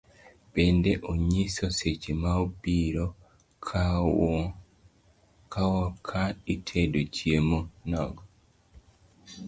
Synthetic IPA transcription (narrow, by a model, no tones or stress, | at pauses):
bɛndɛʔoɲisɔset͡ʃimaobiɾɔ | kʰ | kawɔkʰaitʰedot͡ʃiemɔnɔɡɔ